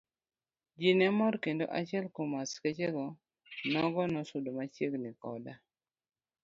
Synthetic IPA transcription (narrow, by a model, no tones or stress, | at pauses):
d͡ʒinɛmɔɾkendoʔat͡ʃɛlkomasket͡ʃeɡɔ | nɔɡɔnɔsʊdomat͡ʃeɡnikɔ̰da